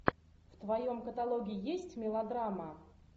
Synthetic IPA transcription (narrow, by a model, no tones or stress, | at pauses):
ft̪vɐjomkət̪alˠoɡʲɪɪjesʲtʲmʲɪlˠɐd̪ɾamə